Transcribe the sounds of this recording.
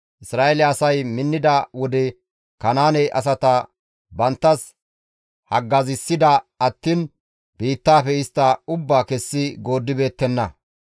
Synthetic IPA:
ʔɪsɾaːelɛɐsɐjmɪnːɪd̪ɐwɔd̪ɛ | kɐnaːnɛjʔɐs̬ɐt̪ɐ | bɐnt̪ːɐs | hɐɡːɐzɪsːɪd̪ɐɐt̪ːiːn | b̥iːt̪ːaːfɛɪst̪ːɐʊbːaːkɛsːɪɡo̞ːd̪ːɪbe̞ːt̪ːɛnːɐ

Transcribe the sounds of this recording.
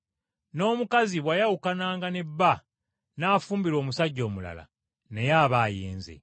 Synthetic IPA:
no̞ːmukaziβwajawukanaːŋɡanebːa | naːfuːmbiɾo̞ːmusaɟːo̞ːmula̰la̰ | ne̞jaːβaːjḛːnzḛ

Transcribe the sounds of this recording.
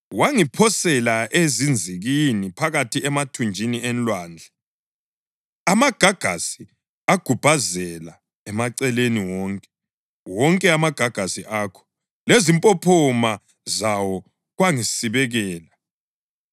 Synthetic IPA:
waŋipʰɔsɛlaʔezind͡zʱiɣinipʰaɣatʰiɛmatʰund͡ʒʱiniɛnlwaːnd͡ɮʱɛ | amaɡ̥ʱaɡ̥ʱa̰si | aɡ̥ʱub̥ʱazɛla | ɛmaǀɛleniwɔŋkʼɛ | wɔŋkʼɛamaɡ̥ʱaɡ̥ʱasiʔakʰɔ̥ | lezimpʼɔpʰɔma | zawɔ | ɣwaŋisiβɛɣɛːla

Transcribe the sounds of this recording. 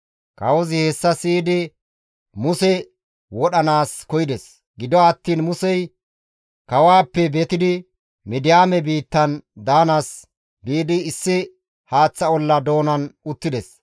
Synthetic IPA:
kɐwɔzɪhɛsːɐsiːd̪ɪ | mʊsɛ | wɔɗɐnaːskɔjɪd̪ɛs | ɡɪd̪ɔɐt̪ːiːnmʊsɛj | kɐwaːpːɛbet̪ɪd̪ɪ | mɪd̪ɪjaːmɛbiːt̪ːɐnd̪aːnaːs | biːd̪ɪɪsːɪ | haːt͡sːɐɔlːɐd̪o̞ːnɐnʊt̪ːɪd̪ɛs

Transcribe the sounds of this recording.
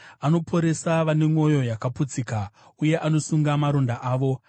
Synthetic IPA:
ano̞pʰo̞ɾe̞saʋane̞ŋo̞jo̞jakaput͡sika | uje̞ʔano̞suŋɡamaɾo̞ndaʔaːʋo̞

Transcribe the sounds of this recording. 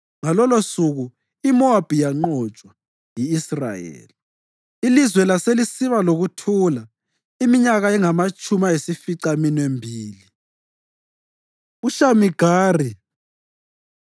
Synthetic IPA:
ŋalɔlosuɣu | imɔab̥ʱijaŋ͡ǃɔt͡ʃʼwa | jiːsra̰jɛ̰ːli | ilizwɛlaselisiβaloɣutʰula | imiɲaɣaɛŋamat͡ʃʼumajesifiǀaminembʱiːli | uʃamiɡ̥ʱaːri

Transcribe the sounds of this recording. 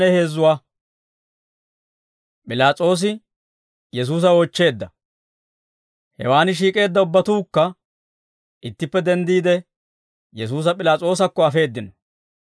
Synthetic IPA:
ɛhe̞ːzːʊwaː | pʼɪlaːt͡sʼo̞ːs̬ɪ | jɛs̬uːs̬ɐot͡ʃːe̞ːd̪ːɐ | hɛ̰waːnɪʃ̬iːkʼe̞ːd̪ːɐʊbːɐt̪uːkːɐ | ɪt̪ːɪpːɛd̪ɛnd̪iːd̪ɛ | jɛs̬uːs̬ɐpʼɪlaːt͡sʼo̞ːs̬ɐkːɔɐfe̞ːd̪ːɪnɔ

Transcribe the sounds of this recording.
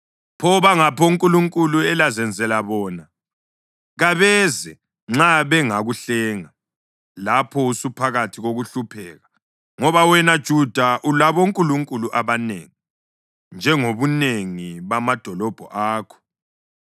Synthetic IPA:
pʰɔβaŋapʰɔuŋkʼuluŋkʼuluɛlazɛnd͡zʱɛlaβɔːna | ɣaβɛzɛ | ŋ͡ǁaβɛŋaɣuɬɛːŋa | lapʰɔusupʰaɣatʰiɣoɣuɬupʰɛːɣa | ŋɔβawɛnad̥ʒ̥ʱud̥ʱaʔulaβoŋkʼuluŋkʼuluʔaβanḛŋi | nd͡ʒʱɛŋoβuneŋiβamad̥ʱɔlɔb̥ʱɔʔaːkʰɔ̥

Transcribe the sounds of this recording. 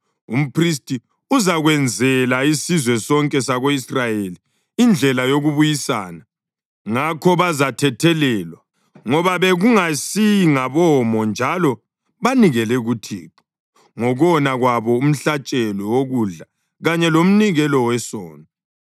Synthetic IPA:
ṵm̩pʰris̬tʼi | uzaɣwɛnd͡zʱɛlaisizwɛsɔŋkʼɛsaɣoisrajeliː | nd͡ɮʱɛlajoɣuβujisa̰ːna | ŋakʰɔβazatʰɛtʰɛlɛːlwa | ŋɔβaβeɣuŋasiŋaβɔmɔnd͡ʒʱalɔ | βaniɣɛlɛɣutʰḭːǃɔ̥ | ŋɔɣɔnaɣwaβɔum̩ɬat͡ʃʼɛlɔwoɣuɮa | ɣaɲɛlom̩niɣɛlɔwɛsɔ̰ːna

